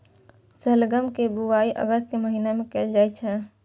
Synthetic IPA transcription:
səlɡəmkebuaiʔə̰ɡəst̪̚keməɦinemẽkeːld͡ʒajt͡ʃʰɛ

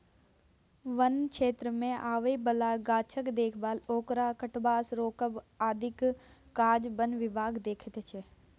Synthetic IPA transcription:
ʋənkʃeːt̪ɾəmẽʔaːʋeibəlaɡaːt͡ʃʰəkd̪eːkʰbaːloːkɾakəʈbaːsɾoːkəbaːd̪ʱɪkkaːd͡ʒbənʋɪbʱaːɡd̪eːkʰət̪t͡ʃʰe

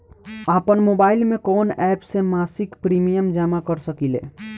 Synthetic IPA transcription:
aːpənmoːbaːɪlmẽkɔːnɛːpsemaːsɪkpɾiːmijəmd͡ʒaːmakəɾsəkilḛː

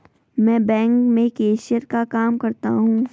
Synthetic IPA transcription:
mɛ̃ːbɛ̃ːŋkmẽkeːʃiəɾkakaːmkɐɾt̪a̰ɦũː

